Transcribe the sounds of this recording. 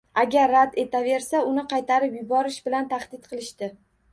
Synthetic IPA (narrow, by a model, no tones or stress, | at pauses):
aɡʲaɾːad̪e̞t̪ʰave̞ɾsaʊnɪqʰɑjt̪ʰaɾɪpjʊbɒɾɪʃbɪlant̪ʰaχd̪ɪt̪̚qʰɨlˠɪʃt̪ɪ